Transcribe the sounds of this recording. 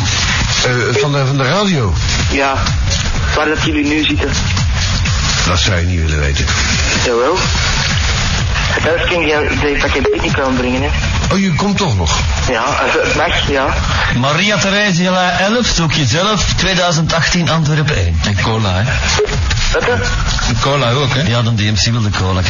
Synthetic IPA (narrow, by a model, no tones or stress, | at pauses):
vɑnəvɑndəraːdiow | jaː | ʋaːrdɑtjəlinyːzitə | dɑ̰tsɔwjəniʋɪ̰lə̰ʋḛːjtən | zowow | hətɛləfkɪnə | depakɛdtɪknikambɾɪŋənɛ | ɔjəkɔmtɔχnɔ̰x | jaːəətmaxjaː | maɾiatəɾeːziəlaʔɛləfsukjəzɛləftweːdœːɥzəntɑxtinʔɑntʋɛrpḛːnɛnkoːla̰ɛ | ətə | koːlaoːkɛjaːdɑndeːɛmsiʋɪlˠdəkʰoːla